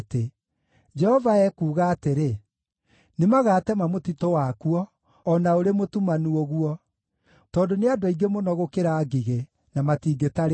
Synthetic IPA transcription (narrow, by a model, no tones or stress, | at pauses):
te | d͡ʒɛhɔvaɛkuːɣaːteɾe | nemaɣaːtɛmamotitowakuɔː | naoɾemotumanuoɣuɔ | tɔːndoneadɔiɡemonɔɣokeɾaːɡiɣe | namatiːɡetaɾ